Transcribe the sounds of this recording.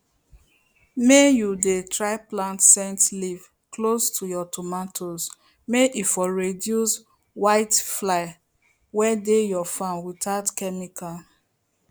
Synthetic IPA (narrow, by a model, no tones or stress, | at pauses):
mejudetɹaɪplãntsɛ̃ntliv | klostʰujɔtʰomatʰoz | meʔifɔɹedjus | waɪtflaɪ | wɛdejɔfãnwitaʊtkɛmika